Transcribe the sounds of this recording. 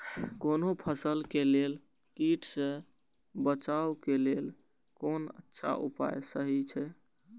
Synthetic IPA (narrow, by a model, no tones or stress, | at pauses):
konopʰəsəlkelel | kiʈsẽ | bət͡ʃaukelel | konə̰tːʃʰa̰ʔṵpa̰jsəɦit͡ʃʰɛ